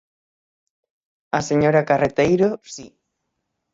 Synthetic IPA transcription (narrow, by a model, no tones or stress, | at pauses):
aseɲoɾakaret̪ejɾosi